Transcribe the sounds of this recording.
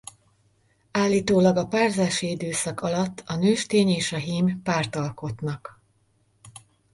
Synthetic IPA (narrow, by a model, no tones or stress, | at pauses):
aːlːiːt̪oːlɒɡɒpaːrzaːʃiid̪øːsɒkɒlɒt̪ːɒnøːʃt̪eːɲeːʃɒɦiːmpaːrt̪ɒlko̞t̪nɒk